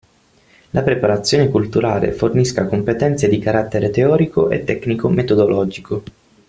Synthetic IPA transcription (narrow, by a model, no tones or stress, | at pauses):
lʔapɾepaɾat̪sːjoːnekult̪uɾaːlḛforniskakompet̪ɛnt̪sed̪ikaɾat̪ːeɾet̪eɔːɾikoʔḛt̪ːɛknikomet̪od̪olɔːd͡ʒikʰo